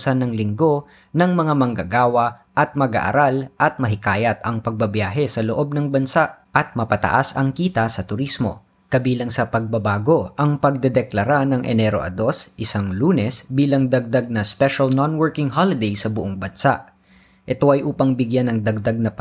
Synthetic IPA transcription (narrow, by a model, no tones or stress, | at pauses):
sɐnːɐŋlɪŋɡo̞ | nɐŋmɐŋamɐŋɡɐɡaːwɐʔɐt̪̚mɐɡa̰ʔɐ̰ɾalʔɐt̪̚mɐɦɪkaːjɐt̪ɐŋpɐɡ̚bɐbjaːɦɛsɐloʔo̞b̚nɐŋbɐnsaʔʔɐt̪̚mɐpɐt̪ɐ̰ʔasɐŋkiːt̪ɐsɐt̪ʊɾismo̞̰ | kɐbiːlɐŋsɐpɐɡ̚bɐbaːɡo̞ʔɐŋpɐɡ̚d̪ɛd̪ɛklɐɾanɐŋʔɛ̰nɛɾo̞̰ʔɐ̰d̪o̞sʔɪsaŋluːnɛsbiːlɐŋd̪ɐɡ̚d̪aɡ̚nɐspɛʃɐlnonwɛɹkɪŋhalɪd̪ɛjsɐbʊʔoŋbɐnsa̰ʔ | ʔɛt̪o̞ʔɐjʔuːpɐŋbɪɡjanːɐŋd̪ɐɡ̚d̪aɡ̚nɐp